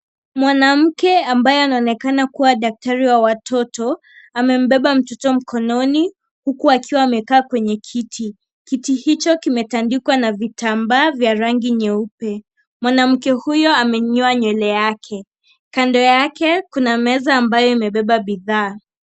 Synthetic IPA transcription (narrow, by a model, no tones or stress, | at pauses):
mwanam̩kɛambajɔanaɔːnɛkanakuwaɗak̚taɾiwawatʰɔtɔ | amɛm̩ɓɛɓam̩tɔtɔm̩kɔnɔni | hukuakiwaːmɛkaːkwɛɲɛkʰitʰi | kitihit͡ʃɔkimɛtandikwanavitambaːvjaɾaŋɡiɲɛupɛ | mwanam̩kɛhujɔamɛɲɔaɲwɛlɛjakʰɛ | kandɔjakɛkunamɛzaːmbajɔimɛɓɛɓaɓiðaː